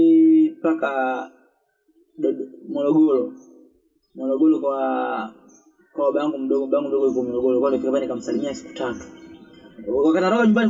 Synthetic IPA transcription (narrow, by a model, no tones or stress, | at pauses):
paka | ɗɔmɔlɔɡɔlɔ | mwɔlɔɡɔlɔka | kawaɓaŋɡum̩ɗɔɡɓaŋɡum̩dɔɡɔlikɔmɔlɔɡɔlɔkalɔkikapanikam̩salimiasi̥ku̥tatu̥ | kwakatnaɾɔbaɲumbani